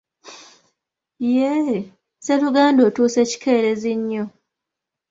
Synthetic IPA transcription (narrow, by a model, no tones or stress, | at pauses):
je | seɾuɡaːndo̞ːtuːse̞ci̥kʰe̞ːɾeziɲːo